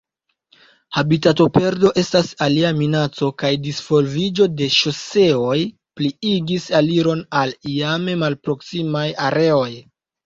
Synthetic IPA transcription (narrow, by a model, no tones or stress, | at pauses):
habitato̞pe̞ɾdo̞ʔe̞stasaliaminat͡so̞kajdisfo̞lvid͡ʒo̞de̞ʃo̞se̞o̞j | pliiɡisaliɾo̞nalijame̞malpɾo̞ksimajaɾe̞o̞j